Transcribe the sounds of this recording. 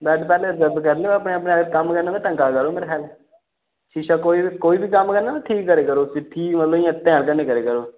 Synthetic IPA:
bɛːʈpɛːleːzəb̪kəɾleːəəpɳeːəpnekəmkəɾnaːd̪ãːʈə̃ŋkaːkəɾoːmeːɾeːxʰɛːl | ʃiːʃaːkoːiːkoːiːbiːkəmːkəɾnaːaːʈʰiːkːəɾeːkəɾoːsɪʈʰːiːmət̪ləbɪãːt̪ɛ̃ːɽkəɾneːkəɾeːkəɾoː

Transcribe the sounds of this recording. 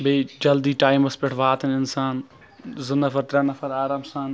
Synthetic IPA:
bed͡ʒɐld̪iːʈaːimɐspɪʈʰʋaːt̪ɐnɪnsaːn | zɪnːɐfɐɾt̪ɾanɐfɐɾaːɾaːmsaːn

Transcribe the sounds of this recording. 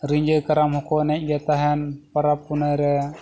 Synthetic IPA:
ɾiɲd͡ʒəjkaɾamhɔkɔnɛc̚ˀɡɛt̪aɦɛnpaɾap̚ːunəjɾɛ

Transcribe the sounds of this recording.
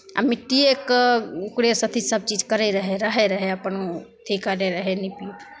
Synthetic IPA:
ɐ̰mɪʈːiekkɽesɐt̪ʰisɐb̚t͡ʃiːd͡ʒkəɾeɾɐɦeɾɐɦeɾɐɦeɐpənut̪ʰikaɾeɾɐɦenipiːt̪

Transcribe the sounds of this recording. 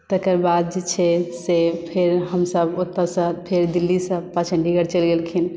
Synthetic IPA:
t̪əkəɾbad̪̚d͡ʒet͡ʃʰɛsepʰeɾɦəmsəbot̪ːəsəpʰeɾd̪ilːisəpat͡ʃʰə̃ɳɖiɡəɾt͡ʃəlɡelkʰin

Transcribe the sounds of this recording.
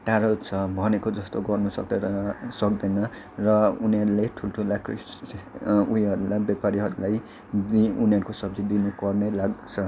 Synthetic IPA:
ʈaɾott͡sʰʌbʱʌnekod͡zʌst̪oɡʌrnusʌk̚d̪ʌsʌkd̪ʌnʌ | rʌuniʌɾuleʈʰulʈʰulakris | uɦiʌɾulabjapaɾiɦʌɾulaj | d̪iuniʌɾukosʌb̚d͡zid̪inupʌrnelaɡt͡sʰʌ

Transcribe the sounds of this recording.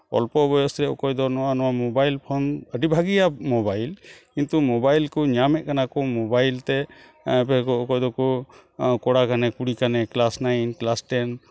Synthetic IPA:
ɔ̰lpɔbɔjɔsɾɛɔkɔjd̪ɔnɔwanɔwamɔbajlpʰɔnəɖibʱaɡijamɔbajlkint̪umɔbajlkɔɲamɛʔkanakɔmɔbajlt̪ɛ | pɛkɔɔkɔjd̪ɔkɔ | kɔɽakanɛkuɽikanɛklasnajnklasʈɛn

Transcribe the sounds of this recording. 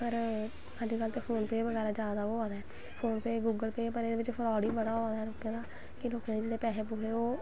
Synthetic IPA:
pəɾ | əd͡ʒkəlt̪eːpʰoːnpeːʋəɡɛːɾaːd͡ʒaːd̪aːoːaːd̪aɛː | pʰoːnpeːɡuːɡəlpeːpəɾeːd̪eːʋɪt͡ʃpʰəɾɔːɽiːbəɽaːɦoaːd̪aːɛːɾoːkãːd̪aː | kɪloːkãːd̪eːd͡ʒeːɽeːpɛːɦeːpʊkʰeːoː

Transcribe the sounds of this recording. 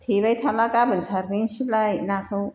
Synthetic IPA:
t̪ʰibajt̪ʰalakabʱʌnt͡sʰarːiŋsʰilajnakʰɯw

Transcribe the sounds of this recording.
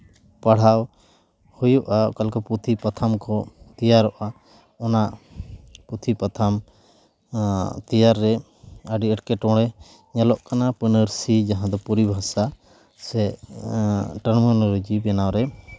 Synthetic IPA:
paɽ̤aw | hujuʔakalkɔput̪ʰipat̪ʰamkʰɔt̪ijaɾɔʔa | ɔnaʔ | put̪ʰipat̪ʰam | t̪ijaɾːɛ | əɖiəʈkɛʈɔ̃ɽɛ | ɲalɔʔkanapənəɾsid͡ʒaɦãd̪ɔpuɾibʱasa | sɛ | ʈəɾmɔnɔlod͡ʒibɛnawɾɛ

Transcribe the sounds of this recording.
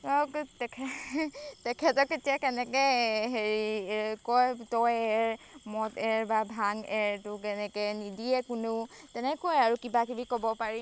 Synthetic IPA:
ɔktɛkʰɛ | tɛkʰɛtɔketijakɛnɛkɛjɦeɹikɔjtɔjɛɹmɔtɛɹbabʱaŋɛɹtʊkɛnɛkɛnidiɛkʊnʊtɛnɛkɔjaɹukibakibikɔbɔpaɹi

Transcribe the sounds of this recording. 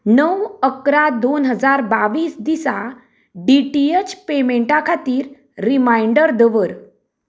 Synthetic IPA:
nəwəkɾad̪onɦəd͡zaɾbaʋiːsd̪isa | ɖiʈiet͡ɕpemeɳʈakʰat̪iːɾː | imaiɳɖəɾd̪əʋəɾ

